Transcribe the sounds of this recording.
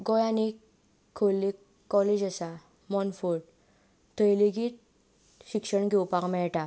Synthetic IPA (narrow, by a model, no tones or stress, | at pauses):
ɡɔjanikʰː | olːikː | ɔled͡ʑəsa | mɔnfuɾɽ | t̪ʰəjliɡit̪̚ | ɕikʂəɳɡewpakmɛɭʈa